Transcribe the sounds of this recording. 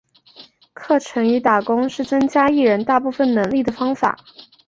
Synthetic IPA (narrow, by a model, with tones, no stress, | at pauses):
kʰɤ˥˩ʈ͡ʂʰɤ˧˥ŋy˧˥t̪a˨˩kʊ˥ŋʂɻ̩˥˩t͡sə˥ŋt͡ɕja˥i˥˩ɻə˧˥nt̪a˥˧pu˥˩fə˥˩nnɤ˧˥ŋli˥˩d̪ə˩fɑ˥ŋfa̰˨˩˦